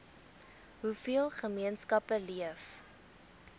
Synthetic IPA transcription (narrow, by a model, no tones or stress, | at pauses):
ɦufiəlˠχəmiənskɐpəliəf